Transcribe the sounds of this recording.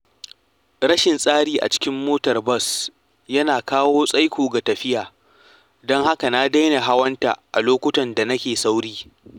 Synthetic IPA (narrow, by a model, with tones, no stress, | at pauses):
ɽɐ˦ʃɪ˨nsʼaː˦ɽiː˦˨ʔa̰˨t͡ʃɪ̥˦kʲɪ˦mːoː˦tɐ˨rbɐ˦s | jɐ˦naː˨kaː˦woː˦sʼa˦jkʷoː˨ɡa˨tɐ˨ɸɪ˦jaː˨ | dɔ˦ŋha˦ka˨naː˦da˦jna˨ɦa˦wɐ˦nta̰˨ʔa˨loː˦kʷʊ˦tɐ˨nda˨nɐ˦kʲeː˨sa˦wɽiː˦